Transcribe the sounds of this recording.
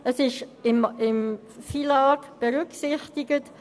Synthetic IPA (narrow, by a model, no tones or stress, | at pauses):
əsɪʃɪmɪm | filaːkb̥əʁʏksɪxtɪɡət